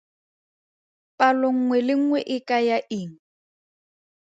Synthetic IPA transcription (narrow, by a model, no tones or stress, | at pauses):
pʼalɔŋ̩ŋwɛlɪŋ̩ŋwɛʔɪkʼajaʔiːŋ̩